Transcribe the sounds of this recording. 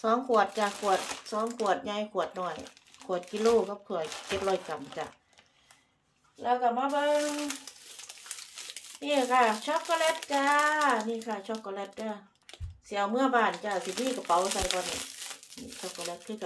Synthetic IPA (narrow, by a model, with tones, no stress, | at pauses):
sɔː˨˦ŋkʰu˧˩ət̪̚t͡ɕa˧˨kʰu˧˩ət̪̚sɔː˨˦ŋkʰu˧˩ət̪̚ɲa˧˥˨jkʰu˨˩ət̪̚nɔː˧˩jkʰu˨˩ət̪̚ki˧˨loː˧˩˨ka˧˥p̚kʰu˧˩əjke˧˦t̪̚lɔː˧˩jka˧˩m˧t͡ɕa̰˧˨ʔ | lɛː˧˩wka˧˩maː˧˥˨bɤː˧ŋŋ | niː˧˨ka˧˩kʰa˧˩t͡ɕʰɔ˧˥kːɔ˧lɛ˧˥t̪̚t͡ɕa˧niː˧˨kʰa˧˩t͡ɕʰɔ˧˥kːɔ˧lɛ˧t̪̚ka˧˩˨ | si˧˨a˨˧wmɯ˧˩əbaː˧˩nt͡ɕa˧˩si˧niː˧˥˨ka˧˩pa˨˦wsa˧˩jbɔː˧˨ni˧˩niː˧˩t͡ɕʰɔ˧kːɔ˧lɛ˧˥t̪̚kʰɯː˧˨a˧